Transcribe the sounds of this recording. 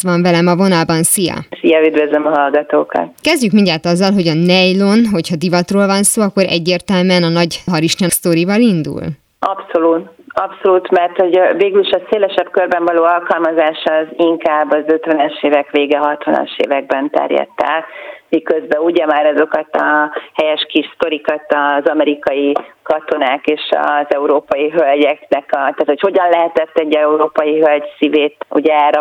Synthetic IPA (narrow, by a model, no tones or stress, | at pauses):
ʋɒɱvɛlɛmɒvo̞nɒlbɒnsijɒ̰sijɒyd̪vøzømɒɦɒlɡɒt̪oːkɒ̰t̪kɛzɟykminɟaːt̪ɒzːɒlɦo̞ɟɒnɛjlonɦo̞chɒd̪ivɒt̪roːlvɒnsoːɒkːo̞ɾʔɛ̰ɟːeːrt̪ɛlmyɛnɒnɒɟɦɒɾiʃɲɒst̪oɾivɒlind̪ṵl | ɒpso̞luːt̪ɒpso̞lut̪mɛrt̪ho̞ɟveːɡyliʃɒseːlɛʃɛbkørbɛɱvɒloːɒlkɒlmɒzaːʃɒziŋkaːbːɒzø̞t̪vɛnɛʃeːvɛkʋeːɡɛɦɒt̪ʋɒ̰nɒ̰ʃḛːvɛɡ̚bɛnt̪ɛ̰rjɒ̰t̪ːa̰ːkmikø̞zbɛuɟɛmaːɾɒzo̞kɒt̪ɒhɛjɛʃkiʃst̪o̞ɾikɒt̪ɒzɒmɛɾikɒjikɒt̪o̞naːkeːʃɒ̰zɛuɾoːpɒjiɦølɟɛknɛkɒt̪aːt̪ocho̞ɟɒnlɛɦɛt̪ɛt̪ːɛɟːɛuɾoːpɒjiɦølɟsiveːt̪ṵɟɛaːɾɒ